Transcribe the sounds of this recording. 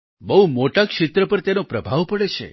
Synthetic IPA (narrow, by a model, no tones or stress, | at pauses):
bəɦumoʈakʃɪt̪ɾəpəɾt̪enopɾəbʱaʋpəɽet͡ʃʰḛ